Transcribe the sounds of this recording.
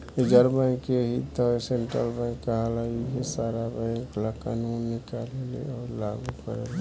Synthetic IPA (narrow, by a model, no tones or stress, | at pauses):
ed͡ʒəɾbãɪ̃keɦit̪əeseɳʈɾə̰lbãɪ̃kːəɦalaikesaɾabaɪ̃klakanunːikalelḛɔːɾlaɡukəɾele